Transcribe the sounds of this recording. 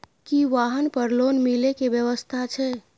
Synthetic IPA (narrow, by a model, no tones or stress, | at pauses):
kiʋaɦənpəɾlonmilekeʋjəʋəst̪ʰat͡ʃʰɛ